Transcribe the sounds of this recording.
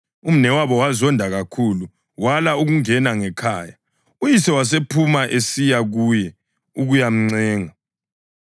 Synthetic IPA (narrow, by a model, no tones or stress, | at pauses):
um̩nɛwaβɔwazɔndʱaɣakʰulu | walauɣuŋɛnaŋɛkʰaːja | ujisɛwas̬epʰumaʔesijaɣujɛ | uɣujam̩ŋ͡ǀɛːŋa